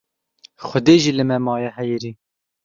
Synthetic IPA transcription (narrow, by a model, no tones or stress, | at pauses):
xʷʊd̪eːʒiːlɨmɛmɑːjɛhɛjiɾiː